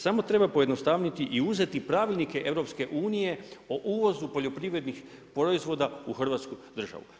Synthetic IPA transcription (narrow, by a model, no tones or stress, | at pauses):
samo̞t̪ɾe̞bapojed̪nost̪aʋɲit̪iʔiuze̞t̪ipɾaʋilʲnike̞ʔe̞ʋɾo̞pske̞ʔuːnije̞oʔuːʋo̞zupo̞ʎo̞pɾiʋɾe̞d̪nix | pɾoizʋo̞d̪auxr̩ʋaːt̪skud̪r̩ʒa̰ʋṵ